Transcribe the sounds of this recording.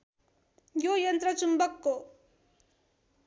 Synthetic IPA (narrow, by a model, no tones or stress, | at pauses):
jojɐnt̪ɾɐt͡ʃumbʌkːo